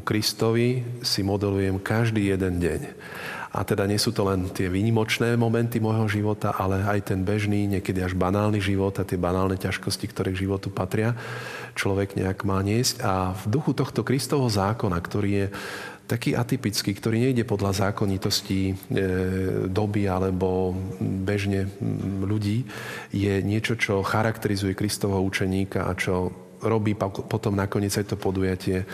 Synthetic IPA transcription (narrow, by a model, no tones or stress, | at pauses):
ukɾist̪ɔʋisimɔd̪ɛlujɛmkaʒd̪iːjɛd̪ɛnɟɛ̰ɲ | ʔa̰t̪ɛd̪aɲɪɛsuːt̪ɔlɛnt̪ɪɛʋiːɲimɔt͡ʃnɛːmɔmɛnt̪imɔjɦɔʒiʋɔt̪a̰ʔalɛajt̪ɛnbɛʒniːɲɪɛkɛd̪iaʒbanaːlniʒiʋɔt̪at̪ɪɛbanaːlnɛcaʃkɔscikt̪ɔɾɛːɡʒiʋɔt̪upat̪ɾɪat͡ʃlɔʋɛɡɲɛ̰aɡmaːɲɪɛscavd̪uxut̪ɔxt̪ɔkɾist̪ɔʋɛɦɔzaːkɔnakt̪ɔɾiːjɛ | t̪akiːʔat̪ipit͡skiːkt̪ɔɾiːɲɛiɟɛpɔd̪lazaːkɔɲit̪ɔsci | d̪ɔbialɛbɔ | bɛʒɲɛʎuɟiːjɛɲɪɛt͡ʃɔt͡ʃɔxaɾakt̪ɛɾizujɛkɾist̪ɔʋɛɦɔut͡ʃɛɲiːkaʔa̰t͡ʃɔ | ɾɔbiːppɔt̪ɔmnakɔɲɪɛd͡zajt̪ɔpɔd̪ujacɪɛ